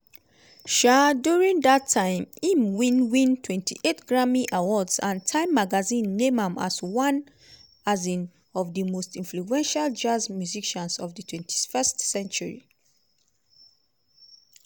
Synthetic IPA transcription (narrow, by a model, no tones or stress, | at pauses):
ʃadjuɹĩŋdatʰːãɪ̃mĩmwĩnwĩntʰwɛ̃ntʰiʔetɡ̥ɹamiʔawɔdsãntʰãɪ̃mːaɡazĩnːẽmãmaswãn | azĩn | ɔvdimostĩnfluɛ̃nʃald͡ʒazmjuziʃãnsɔvdətʰwɛ̃ntʰi̥fɛstsɛ̃nt͡ʃuɹḭ